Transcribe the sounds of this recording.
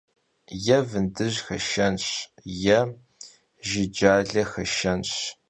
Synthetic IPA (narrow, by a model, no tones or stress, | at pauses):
jɛvɨndɨʑxɐʃɐnɕjɛ | ʒɪd͡ʒaːɮɐxɐʃɐnɕ